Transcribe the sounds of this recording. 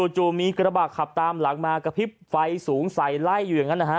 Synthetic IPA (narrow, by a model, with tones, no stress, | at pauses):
oː˧t͡ɕoː˧miː˧kɾa˧baː˨˩kʰa˨˩p̚t̪aː˧mla˨˦k̚maː˧ka˧pʰi˦˥p̚fa˧jsuː˩˦ŋsa˨˩jla˥˩jːuː˨˩ja˨˩ŋa˦˥nːaː˧kʰa˦˥